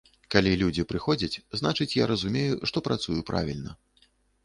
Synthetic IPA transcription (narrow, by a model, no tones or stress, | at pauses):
kalʲilʲud͡zʲipɾɨxɔd͡zʲɐt͡sʲznat͡ʂɨt͡sʲjaɾɐzumʲejuʂt̪ɔpɾʔat̪sujupɾʔa̰vʲilʲnɐ̰